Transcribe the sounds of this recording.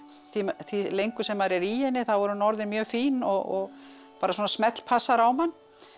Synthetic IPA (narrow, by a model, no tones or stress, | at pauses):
θimθvilejŋkʏsɛmːaɾɛɾiɛnːɪθawvɔɾʏnɔɾðɪmjœːfiːnɔɣɔɣ | paːɾasuːnasmɛt̪l̥pʰasaɾawmanː